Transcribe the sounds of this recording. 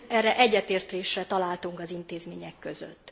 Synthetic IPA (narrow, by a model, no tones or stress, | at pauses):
ɛrːɛʔɛɟːɛt̪eːrt̪leːʃrɛt̪ɒlaːlt̪uŋkɒzint̪eːzmeːɲɛkːø̞zø̰t̪ː